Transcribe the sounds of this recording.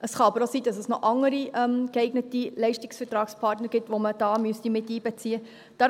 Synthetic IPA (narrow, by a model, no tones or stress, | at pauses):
ʔəsχɑɑbəɾosiːdɑsəsnɔʔɑŋːəɾiʔɛmɡɛɪɡnətilɛɪʃtɪksfətɾɑːkspʰɑɾtnəɾɡ̥ɪtʋoməd̥ɑːmystimɪtiːbɛt͡siə | d̥ɑ